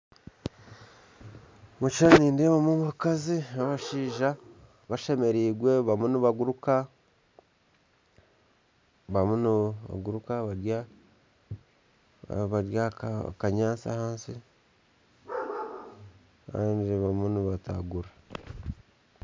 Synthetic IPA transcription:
mut͡ʃaniːndeβamumukaziaβaʃiːʒa | βaʃe̞me̞ɾiːɡwe̞βamuniβaɡuɾuka | βamunβa̰ɡuɾukaβaɾja | βaɾjakakaɲaːnt͡sa̰haːnsi | kaːndiβamuniβata̰ɡuɾa

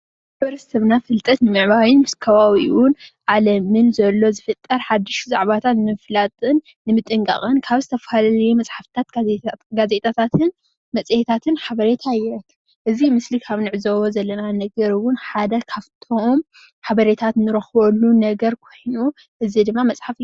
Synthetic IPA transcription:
bɐɾɐsɐβnafɨlt̪ʼɐt̪nɨmɨʕβawinmɨskʰɐβawiwʊnʕalɐmɨnzɐlːo̞zɨfɨt̪ʼːɐɾħad̪ːɨʃza̰ʕβat̪ʰat̪nɨflat̪ʼɨnːɨmɨt̪ʼɨŋkʼɐ̰χʼɨnkʰaβzɨt̪ʰɐfalalɐjumɐt͡sʼħaft̪ʰat̪ɡaze̞t̪ʰʼat̪ʰat̪ʰɨn | mɐt͡sʼjet̪ʰat̪ʰɨnħaβɐɾe̞t̪ʰajɐkʰː | ʔɨzimɨslikʰaβnɨʕɨzɐwozɐlːɐnanɐɡɐɾɨwʊnħad̪ɐkʰaβt̪ʰo̞m | ħaβɐɾe̞t̪ʰat̪nɨɾɐxbolːunɐɡɐɾkʰo̞jnu | ʔɨzid̪ɨmːamɐt͡sʼħaf

